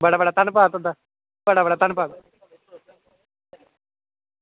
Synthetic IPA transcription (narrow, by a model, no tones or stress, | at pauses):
bəɽaːbəɽaːt̪ənpaːt̪ʊd̪aː | bəɽaːbəɽaːt̪ənpaːt̪